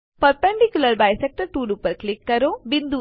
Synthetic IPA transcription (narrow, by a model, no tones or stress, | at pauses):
pɐɾpeɳɖikʲjulɐɾbajsɛk̚ʈɐɾʈuːɾupɐɾklikːɐɾobind̪u